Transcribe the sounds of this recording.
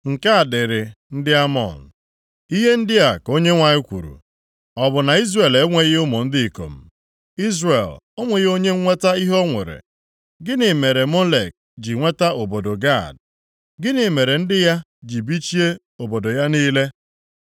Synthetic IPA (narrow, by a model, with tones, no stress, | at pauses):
ŋ̩˨ka˦a˨dɪ˨ɾɪ˨n̩˦dɪ˦a˦mɔ̰˨n̩˨ | i˦ɦe˦n̩˦dɪ˦a˨ko˦ɲe˦ŋʷa˨ɲɪ˦kʷṵ˨ɾṵ˨ | ɔ˨bʊ˨na˨i˦zre˨le˦ŋʷe˦ɣɪ˦ʊ˦mo˨n̩˦dɪ˦˨ko̰˨m̩˨ | i˦zre˨l | o˦ŋʷe˨ɣo˦ɲe˦ŋ̩˦ŋʷe˦ta˦i˦ɦo˦ŋʷḛ˨ɾḛ˨ | ɡɪ˦nɪ˨me˨ɾe˨mo˦lḛ˨k̚ | d͡ʒi˨ŋʷe˦ta˦ʔo˨bo˨do˨ɡa̰˦˨d | ɡɪ˦nɪ˨me˨ɾe˨n̩˦dɪ˦ja˦ | d͡ʒi˨bi˦t͡ʃi˦e˦ | o˨bo˨do˨ja˦niː˦le˦